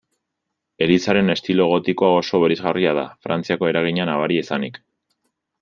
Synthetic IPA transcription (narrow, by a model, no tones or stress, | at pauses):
e̞ɾisaɾe̞ne̞st̪ilo̞eɣ̞o̞t̪iko̞ao̞so̞βeɾezɣariað̞a̰fɾant͡siako̞e̞ɾaɣ̞iɲanaβaɾiesanḭk